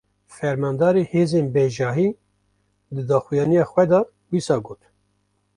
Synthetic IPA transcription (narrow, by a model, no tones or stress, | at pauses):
fɛɾmɑːnd̪ɑːɾeheːzeːnbɛʒɑːɦiː | d̪ɨd̪ɑːxujɑːnijɑːxʷwɛd̪ɑ | wiːsɑːɡoːt̪